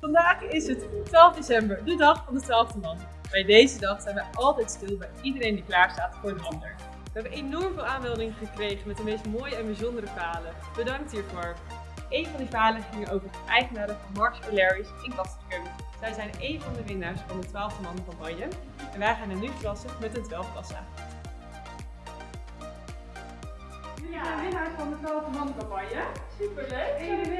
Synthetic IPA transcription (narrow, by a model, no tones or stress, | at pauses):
fɑndaːχɪsɦətːʋaːlˠvdejsɛmbəɹdədɑχfɑndətʋaːlˠvdəmɑn | bɛjdejzədɑχsɛjnʋɛjʔɑlˠtɛjtstɪlˠbɛjidəɾejndiklaːɹstaːtfʊːɹdəɦɑndə̰ɹ | ʋəɦɛbənenɔɹmvɪːlˠaːnmɛlˠdɪŋχəkrejχənmɛtdəmejstmoːjəɛnbizɔndəɾəvaːlə | b̥ədɑŋk̚tɦiːɹvʊːɹ | ʔejnvɑndivaːlənχɪŋənowvəɹəʔɛjχənaːɾəvɑnmɑɹksəlɛɹisɛnkɑstəkəm | z̥ɛjzɛjnejnvɑndəʋɪnaːɹsfɑndətʋaːlˠvdəmɑnvɑmbɑjən | ɛnʋɛjχaːnanyfərɑsəmɛtəntʋɛlˠfkɑsa̰ː | ʋɪnaːɹsfɑndətʋaːlˠvdəmɑnkɑmbɑjəsypəl